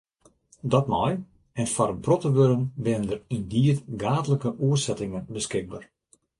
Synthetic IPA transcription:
dɔtmɔj | ɛnfaɾəprotəʋøɾənbɪnəndərindiətɡaːtələkəʔuərsɛtɪŋənbəskɪɡ̚baːr

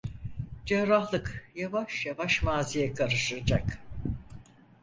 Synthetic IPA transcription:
d͡ʒɛɾahlˠɯkjavaʃjavaʃmaːzijɛkʰaɾɯʃɯd͡ʒak

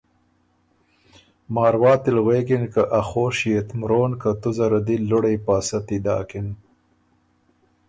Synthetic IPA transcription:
mɑːɾwɑːt̪ɪlɣweːkɪnkaʔaxoːʃjet̪mɾoːnkat̪uzaɾad̪ilʊɽejpɑːsat̪id̪ɑ̰ːkɪn

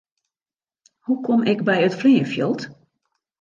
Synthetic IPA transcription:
hukʰɔmɪkbɛjətfriːəfjə̰lˠt

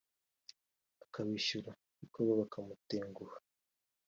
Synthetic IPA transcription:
akaβiʃuɾa | ikoβaβakamuteːŋɡuhḁ

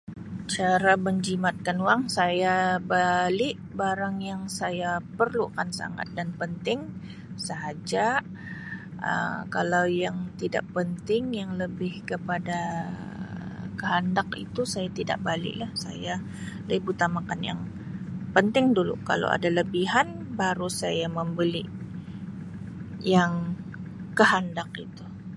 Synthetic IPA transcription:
t͡ʃaɾaməɲd͡ʒimat̪̚kanwaŋsajabalɪʔ | baɾaŋjaŋsajapərlukansa̰ŋa̰t̪̚danpənt̪ɪŋ | səɦad͡ʒa | ə̰kalawjaŋt̪ida̰ʔpənt̪ɪŋjaŋləbɪhkəpada | kəɦandakḭt̪usajat̪ida̰ʔbalɪ̰ʔlahsa̰ja | laibut̪amakanja̰ŋ | pənt̪ɪŋdulṵka̰la̰wa̰daləbiɦan | baɾusajaməmbəliʔ | jaŋ | kəɦandakḭt̪u

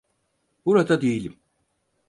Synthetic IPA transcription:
b̥uɾad̪ad̪ejilʲim

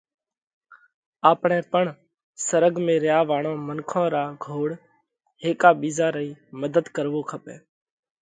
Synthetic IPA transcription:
aːpɳɛ̃ːpəɳ | səɾəɡmẽːɾɪjaːʋaːɳõːmənkʰãːɾaːɡʱoːɽ | ɦeːkaːɓiːzaːɾəiːməd̪ʱəd̪kəɾʋoːkʰəpḛ̃ː

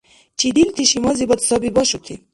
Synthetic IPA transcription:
t͡ʃid̪ilt̪ʰiʃimɔzibɔt̪sɔbibɔʃut̪ʰi

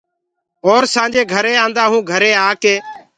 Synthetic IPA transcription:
ɔːɾsãːd͡ʒeːɡʱəɾeːãːnd̪aːɦũːɡʱəɾeːaːkeː

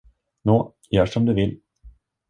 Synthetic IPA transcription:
noː | jœːʂɔmd̪ɵvɪl

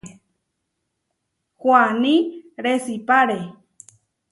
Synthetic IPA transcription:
hwanĩɾesipaɾe

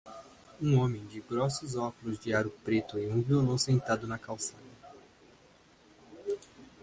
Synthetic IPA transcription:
ũõmẽj̃d͡ʒɪɡɾɔsʊzɔkʊlʊzd͡ʒɪaɾʊpɾet̪ʊɪũviolõwsẽnt̪ad̪ʊnɐkawsad̪ɐ

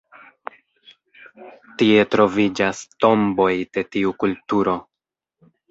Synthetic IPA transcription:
tie̞tɾo̞vid͡ʒasto̞mbo̞jd̥e̞tiukultuɾo̞

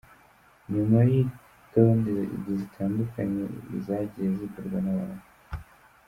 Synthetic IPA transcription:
ɲumaji | tondiɾeʔḭɟizitʰaːndukaɲḛḭzaɟijezikuɾɡwanaβa̰ːnu

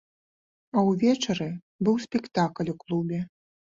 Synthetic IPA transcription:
ɐwvʲɛt͡ʂɐɾɨ | bɨwsʲpʲɛkt̪aklʲuklˠubʲɛ

